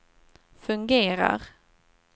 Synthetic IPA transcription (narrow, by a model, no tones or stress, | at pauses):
fɵŋɡeːɾa̰ɾ